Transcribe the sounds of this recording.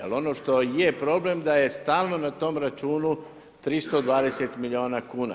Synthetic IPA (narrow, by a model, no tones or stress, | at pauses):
a̰lo̞no̞ʃt̪o̞je̞pɾo̞ble̞md̪aje̞st̪aːlˠno̞nat̪o̞ːmɾat͡ʃuːnu | t̪ɾist̪o̞d̪ʋaːd̪e̞set̪milʲio̞ːnakuːna̰